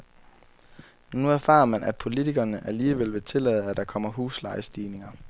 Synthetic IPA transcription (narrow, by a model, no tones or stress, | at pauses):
nuæɐfɑ̰̈ːɐmænʔæ̥pʰo̝lit͡sʰiɡ̥ɐnəʔæliːʋel̰ʋe̝t͡sʰe̝lɛ̰ːð̩ˠæd̥ɑ̈kʰɒ̽m̰ɐɦuːslɑ̈ɪsd̥iːne̝ŋɐ